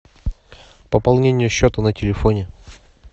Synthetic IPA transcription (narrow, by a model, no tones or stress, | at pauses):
pəpɐlˠnʲenʲɪjəɕːot̪ənətʲɪlʲɪfonʲɪ